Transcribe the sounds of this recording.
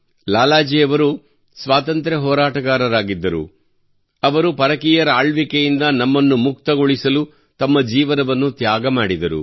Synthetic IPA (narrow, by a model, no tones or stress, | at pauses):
laːlaːd͡ʒiːjɐʋɐɾu | sʋaːt̪ɐnt̪ɾɐɦɔːɾaːʈɐɡaːɾɐɾaːɡid̪ːɐɾṵ | ɐʋɐɾupɐɾɐkijɐɾɐaːɭʋikejind̪ɐnɐmːɐnːumukt̪ɐɡoɭisɐlu | t̪ɐmːɐd͡ʒiːʋɐnɐʋɐnːut̪jaːɡɐmaːɽid̪ɐɾṵ